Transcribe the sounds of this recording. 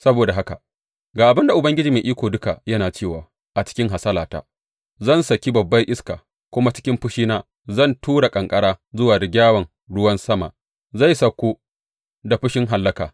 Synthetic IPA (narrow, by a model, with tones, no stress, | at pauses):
sɐ˦boː˨da˨ɦa˦ka̰˨ | ɡaː˨ʔa˨bɪ˦nda˨ʔʊ˨bɐ˦ŋɡʲɪ˦d͡ʒiː˨meː˨ʔiː˦kʷoː˨dʊ˦ka˨jɐ˦naː˨t͡ʃeː˦˨waː˨ | ʔa˨t͡ʃɪ̥˦kʲɪ˦ŋɦa˨sɐ˦laː˨ta̰ː˨ | zɐ˦˨nsɐ˨kʲi˦bɐ˨bːɐ˦jʔɪ˦ska̰ː˨ | kʷʊ˦ma˦t͡ʃɪ˦kʲɪ˦mɸʊ˦ʃiː˦naː˦ | zɐ˦˨ntʰuː˦ɽa˨kʼɐ˨ŋkʼɐ˦ɽaː˦zʊ˦waː˨ɾɪ˨ɡʲaː˦wɐ˨ŋ | ɽʊ˦wɐ˦nsɐ˦ma̰˨ʔ | za˦˨jsɐ˨kʷːu˦ | da˨ɸʊ˦ʃɪ˦ŋɦa˨lːɐ˦kaː˨